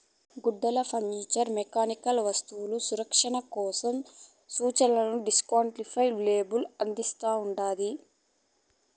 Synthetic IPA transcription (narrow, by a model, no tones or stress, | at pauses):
ɡuɖːɐlɐpʰɐŋniːt͡ʃɐɾmɛkaːnikɐlʋɐst̪uwulusuɾɐkʂɐɳɐkɔːsɐm | suːt͡ʃɐlɐnuɖiskaːɳʈlipʰɐjʋleːbulɐnd̪ist̪aːuɳɖaːd̪i